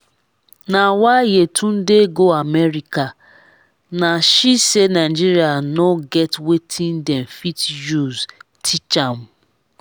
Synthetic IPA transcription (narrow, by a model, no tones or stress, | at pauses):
nawajetʰũn̩deɡoamɛɾika | naʃisenaɪd͡ʒiɾianoɡɛtwetʰĩndɛmfitjuztʰit͡ʃam̩